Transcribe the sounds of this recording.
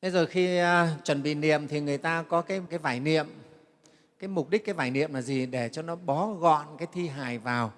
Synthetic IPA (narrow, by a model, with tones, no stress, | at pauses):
ɓə˨˦jzo˨˩jxi˧t͡ɕwə˧˩nɓḭ˧˨nḭ˧˨əmt̪ʰi˨˩ŋɨ˨˩əjt̪aː˧kɔ˨˦kaː˨˦jkaː˨˦jvaː˧˩jnḭ˧˨əm | kaː˨˦jmʊ˨˩k͡p̚ɗi˦˥kaː˨˦vaː˧˩jnḭ˧˨əmlaː˨˩zi˨˩ɗe˧˩t͡ɕɔ˧nɔ˨˦ɓɔ˨˦ɣɔ̰˧˨nkaː˨˦jt̪ʰi˧ɦaː˨˩jvaː˨˩w